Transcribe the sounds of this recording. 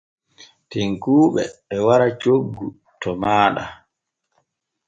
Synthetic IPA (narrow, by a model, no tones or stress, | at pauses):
tiŋkuːɓɛ̰ɓɛwaɾat͡ʃoɡːu | tɔmaːɗa